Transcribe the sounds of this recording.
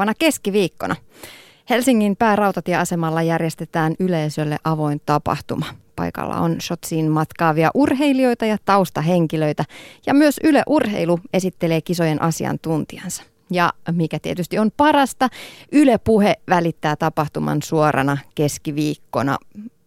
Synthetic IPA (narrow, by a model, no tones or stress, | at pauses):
ɑnɑke̞skiʋiːkːo̰nʔɑ | helsiŋːimpæːrɑut̪ɑt̪ieɑsemɑlːɑjærjest̪et̪æːnyleisølːeʔɑʋo̞int̪ɑpɑ̰ht̪umɑpɑ̰ikɑ̰lːɑ̰onʃot̪siːnmɑt̪kɑːʋiɑʔurɦeilio̞jt̪ɑjɑt̪ɑust̪ɑɦeŋkiløit̪æjɑmyøsyløʔurɦḛilue̞sit̪ːele̞ːkiso̞jenʔɑsiɑ̰nt̪unt̪iɑ̰nsɑ̥ | jɑmikæt̪iet̪yst̪iompɑrɑst̪ɑʔylepuheʋælit̪ːæːt̪ɑpɑht̪umɑ̰nsuoɾɑ̰nɑke̞skiʋiːkːonɑ̰